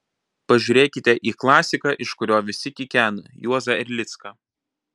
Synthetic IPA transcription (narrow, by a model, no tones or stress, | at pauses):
pɐʒʲuːɾʲeːkʲɪt̪ʲɛʔiːklˠɑːsʲɪkɑːʔɪʃkʊɾʲoːʋʲɪsʲɪkʲɪkʲæːnɐjuɔzɐɪɾʲlʲɪt̪skɐː